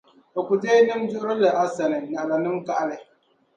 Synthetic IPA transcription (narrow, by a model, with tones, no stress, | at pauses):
o˨kʷu˨teː˦nɨ˦md͡ʒʊ˦ʊ˦ɾɪ˦lɨ˨ʔa˨sa˨nɪ˨na˨ʔla˨nɨ˦mka˦ʔa˦lɪ˨